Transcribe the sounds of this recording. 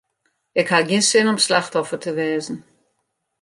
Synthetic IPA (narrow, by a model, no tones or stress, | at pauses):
ɪkhaɡinsɪnɔmslaxthɔfətʰəʋɛːzn̩